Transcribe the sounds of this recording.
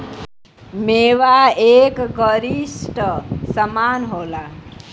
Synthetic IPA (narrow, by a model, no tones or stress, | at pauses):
meːʋaekɡəɾisʈəsəmaːnɦoːla